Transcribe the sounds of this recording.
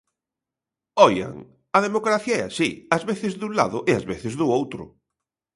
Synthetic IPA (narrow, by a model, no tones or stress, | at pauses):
ɔja̰ŋ | ɐðemokɾaθjaɛasiɐzβeθɪzðuŋla̰ðʊʔeɐzβeθɪzðʊowt̪ɾʊ̰